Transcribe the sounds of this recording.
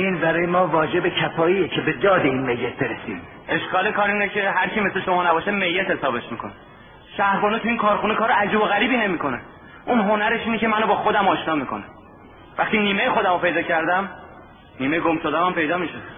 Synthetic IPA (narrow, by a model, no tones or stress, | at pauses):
inbæɾɒːjemɒːvɒːd͡ʒe̞becʰæfɒːijecʰebed̪ɒːd̪eiːnmejːet̪̚ʰbeɾesḭːm | ʔe̞ʃkɒːle̞kʰɒːɾiːnecʰeɦæɾt͡ʃʰime̞sleʃomɒːnæbɒːʃeme̞jːet̪hesɒːbe̞ʃmiːkʰone | ʃæhɾbɒːnet̪ʰuiːnkʰɒːɾxunekʰɒːɾeæd͡ʒiːboɣæɾiːbiːne̞miːko̞ne | ʔunɦonæɾe̞ʃiːne̞ce̞mænobɒːxod̪æmɒːʃnɒːmiːkʰo̞̰næm | væxχt̪iniːme̞jexod̪æmopʰe̞jd̪ɒːcʰæɾd̪æm | niːme̞jeɡomʃod̪æmæmpe̞jd̪ɒːmiʃe